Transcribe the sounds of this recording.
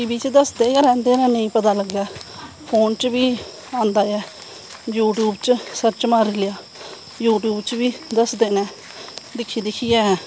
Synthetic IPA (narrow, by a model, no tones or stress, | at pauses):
ʈiːbiːt͡ʃd̪əsd̪eːjaːɾɛ̃ːnd̪eːnɛ̃ːnəĩːpət̪aːləɡjaː | pʰoːnt͡ʃbiː | ãːnd̪aːɛː | juːʈjuːbt͡ʃsəɾt͡ʃmaːɾilɪjaː | juːʈjuːbt͡ʃbiːd̪əsd̪eːnɛ̃ː | d̪ɪkʰːiːd̪ɪkʰiːjɛːɦː